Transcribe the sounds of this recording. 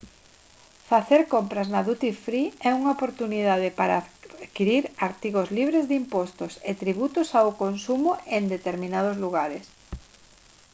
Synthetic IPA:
faθeɾkompɾaznaðut̪ifɾiɛuŋaopoɾt̪unið̞aðɪpaɾakiɾiɾaɾt̪iɣozliβ̞ɾezðimpɔst̪ʊset̪ɾiβ̞ut̪ʊsawkonsumʊend̪et̪eɾmĩnað̞ʊzluɣaɾes

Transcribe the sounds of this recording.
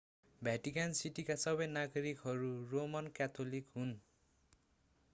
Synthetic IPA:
bʱjaʈikansiʈikasɔbenaɡɔɹikɦɔɹuɹomɔnkat̪ʰolikɦun

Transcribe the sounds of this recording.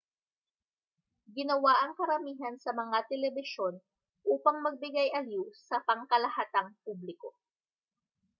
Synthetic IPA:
ɡɪnɐwaʔɐŋkɐɾɐmiːɦɐnsɐmɐŋat̪ɛlɛbɪʃo̞n | ʔuːpɐŋmɐɡ̚bɪɡajʔɐliwsɐpɐŋkɐlɐhaːt̪ɐŋp̚ublɪko̞

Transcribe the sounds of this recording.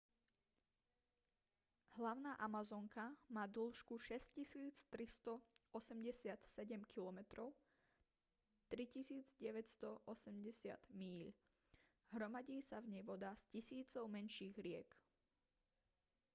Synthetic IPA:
ɦlaʊnaːʔamazɔŋkamaːd̪̩l̩ʃkuʃɛscisiːt͡st̪ɾist̪ɔɔsɛmɟɛsɪat̪sɛɟɛmkilɔmɛt̪ɾɔʊ | t̪ɾicisiːd͡zɟɛʋɛcst̪ɔʔɔsɛmɟɛsɪa̰d̪miːʎ | ɦɾɔmaɟiːsavɲɛjʋɔd̪aːscisiːt͡sɔʊmɛnʃiːɣɾɪɛk

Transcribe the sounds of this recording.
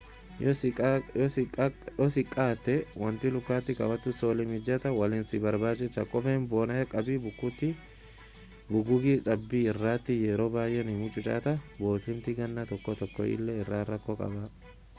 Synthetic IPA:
jɔjɔjɔsɪkʼːaːt̪ːɛwɐnt̪ɪlʊkːaːt̪ːɪkɐ̰wɐt̪ːʊsoːlɪmɪd͡ʒɐt̪ɐwɐliːnsɪbɐɾbaːd͡ʒɪt͡ʃːɐkʼɔfɛnboːnɐjɛkʼɐbiːbʊkːʊt̪ːɪ | bʊɡʊɡiːᶑɐbːiːɪrːaːt̪ːɪjɛɾoːbaːjʔɛnɪmʊt͡ʃʼʊt͡ʃʼa̰ːt̪ɐbo̞ːt̪ɪmt̪ɪɡɐnːɐt̪ɔkːɔt̪ɔkːɔ̰ɪ̰lːɛɪrːaːrɐkːɔkʼɐ̰ba

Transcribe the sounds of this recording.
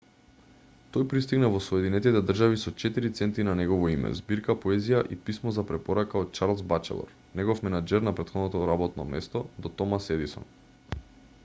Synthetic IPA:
t̪ojpɾist̪iɡnavɔsɔɛd̪inɛt̪it̪ɛd̪r̩ʒavisɔt͡ʃɛt̪iɾit̪sɛnt̪inanɛɡɔvɔimɛ̰zbiɾkapoɛzijaʔipismɔzapɾɛpɔɾakaot̪̚t͡ʃaɾlˠzbat͡ʃɛ̰lˠɔ̰ɾ | nɛɡɔfmɛnad͡ʒɛɾnapɾɛt̪xɔd̪nɔt̪ɔɾabɔt̪nɔ̰mɛst̪ɔd̪ɔt̪ɔmasɛd̪isɔ̰n

